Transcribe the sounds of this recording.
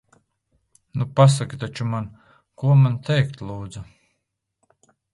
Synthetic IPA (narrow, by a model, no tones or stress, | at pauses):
nupas̬akit̪at͡ʃuman | kuɔmant̪ɛjk̚t̪lˠuːd̪zu